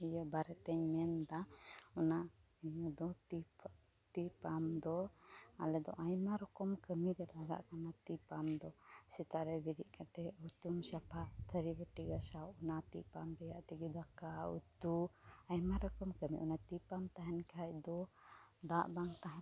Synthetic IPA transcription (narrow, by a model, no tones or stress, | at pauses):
ijɔbaɾɛt̪ɛɲmɛnd̪aɔna | iɲɔd̪ɔt̪i | t̪ipamd̪ɔa̰lɛd̪ɔ̰ʔajmaɾɔkɔmkəmiɾɛlaɡa̰ʔkanat̪ipamd̪ɔsɛt̪aʔɾɛbiɾiʔkʰat̪ɛut̪umsapʰaʔt̪ʰəɾibəʈiɡasawunat̪ḭpambɛjaʔt̪iɡid̪akaṵt̪uajmaɾɔkɔmkəmḭʔɔnat̪ipamt̪aɦɛnkʰajd̪ɔ | d̪aʔbaŋt̪aɦã